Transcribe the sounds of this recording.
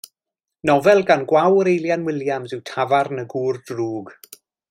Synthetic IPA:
nɔvɛlˠɡanɡwawəɾejljanwɪljamzɪwtʰavarnəɡuːrdruːɡ

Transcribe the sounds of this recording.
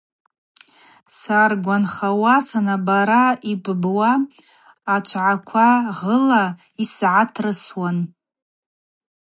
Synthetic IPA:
sarɡʷanχawasanabaɾaibbwaː | t͡ʃʷʰʕakʷʰaʁəla | isʕatʰrɨswan

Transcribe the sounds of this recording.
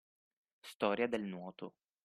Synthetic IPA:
st̪ɔːɾjad̪elnwɔːt̪o

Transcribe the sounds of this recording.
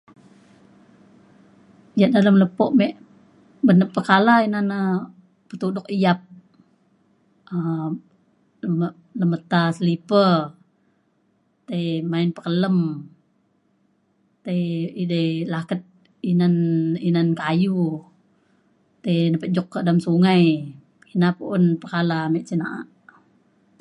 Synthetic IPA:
ijaʔ̚daləmləpɔʔmɛʔ | bənəpːəkalainana | pət̪udʊk̚ijap̚ | ə | ləmə | ləmət̪asəlipə | t̪ajmaɪnpəkələm | t̪ajidəjlakət̪̚ | inaninankaju | t̪ajnəpəd͡ʒɔkːəʔdamsuŋaj | inapuʔʊnpəkalamɛʔt͡ʃənaʔa̰ʔ

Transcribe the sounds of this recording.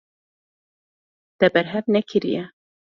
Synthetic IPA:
d̪ɛbɛɾɦɛvnɛkʰɨɾḭjɛ

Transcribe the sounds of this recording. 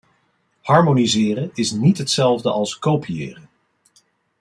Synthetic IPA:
hɑɹmonizɪːrənɪsnitɦətsɛlˠvdəʔɑlˠskowpijɪ̰ːrən

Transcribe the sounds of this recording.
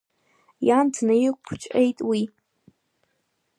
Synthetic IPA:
jantʰnajikʷʰt͡ʃʷʼejtʼwi

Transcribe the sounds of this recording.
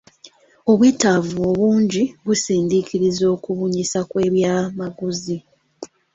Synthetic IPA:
o̞βwiːtavuoβuːɲɟiβusiːndikiɾizo̞ːkuβuɲisakwe̞ːβjaːmaɡuzi

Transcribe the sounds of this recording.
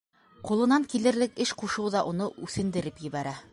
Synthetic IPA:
qulˠɤ̆nɑŋkilɘ̆ɾlɘkɘʃquʃɤwðɑʔunɤʔʉθɘ̆nd̪ɘ̆ɾɘpjɘ̆βæɾæ

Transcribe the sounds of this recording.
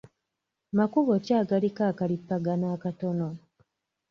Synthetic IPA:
makuβocaːɡalikaːkalipːaɡanaːkatono

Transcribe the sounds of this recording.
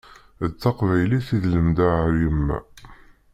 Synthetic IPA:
ət͡sːɑqvæjliθiðləmd̪aʕəɾjəmːæ̰

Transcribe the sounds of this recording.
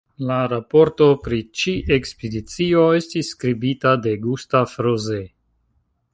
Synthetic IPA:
laɾapo̞ɾto̞pɾit͡ʃiʔekspedit͡sio̞e̞stisːkɾibitade̞ɡustafɾoze

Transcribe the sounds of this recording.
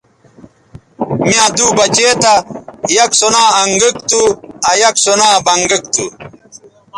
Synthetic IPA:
mjãːd̪uːbɐt͡ɕeːt̪ajɐksonaːŋɡik̚t̪uɐjɐksonaːbɐŋɡik̚t̪u

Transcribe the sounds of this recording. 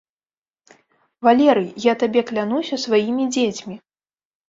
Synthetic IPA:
valʲɛɾɨjjat̪abʲɛklʲan̪usʲɐsvajimʲid͡zʲet͡sʲmʲi

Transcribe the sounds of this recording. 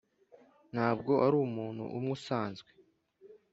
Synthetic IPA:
n̥haːb̚ɡo̞ʔaɾuːmuːn̤̥hṵʔumŋusaːnzɡwe

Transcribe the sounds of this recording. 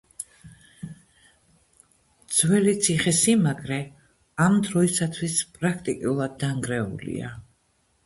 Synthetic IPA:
d̪z̥wɛlit̪sʰiχɛsimaɡʼɾɛ | amd̪ɾɔisat̪ʰwispʼɾakʰt̪ʼikʼiulˠad̪̚ːaŋɡɾɛṵlḭa̰

